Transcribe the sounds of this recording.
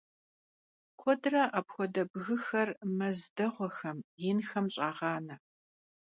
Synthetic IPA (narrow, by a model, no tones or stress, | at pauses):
kʷʰɔdrɐʔɐpxʷɔdɐbɣɨxɐrmɐzdɐʁʷɔxɐmjɪnxɐmɕʼaːʁɑːnɐ